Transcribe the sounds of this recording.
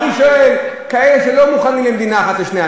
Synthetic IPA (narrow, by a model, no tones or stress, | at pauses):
iʃoe̞l | kae̞leʃe̞lo̞muχanimlemd̪inaaχatleʃnea